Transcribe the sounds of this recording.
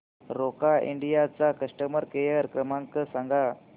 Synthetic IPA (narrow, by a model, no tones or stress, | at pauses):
ɾokaḭɳɖijat͡sakəʂʈəməɾkejəɾkɾəmãŋkəsãŋɡa